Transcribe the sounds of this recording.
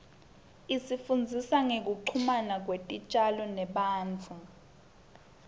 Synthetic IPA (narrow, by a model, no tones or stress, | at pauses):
isifund͡zʱisaŋek̬uǃʰumanak̬wetʼit͡ʃʼalɔnɛɓaːnt͡fʰu